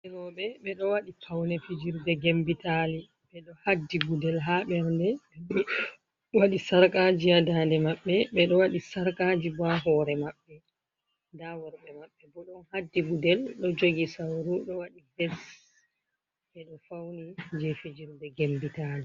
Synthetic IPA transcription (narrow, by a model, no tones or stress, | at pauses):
ʔɛɾɔɓɛɓɛɗɔwaɗipʰawnɛfid͡ʒiɾdɛɡembitali | ɓɛɗɔhadːibudɛlɦaɓɛɾndɛɓɛɗɔ | waɗisaɾkad͡ʒiadadɛmaɓːɛɓɛɗɔwaɗisaɾkad͡ʒibaɦɔɾɛmaɓːɛ | dawɔɾɓɛmaɓːɛbɔɗɔnhadːibudɛlɗɔd͡ʒoɡisawɾuɗɔwaɗibɛs | ɓɛɗɔfawnid͡ʒɛfid͡ʒiɾdɛɡembitaːli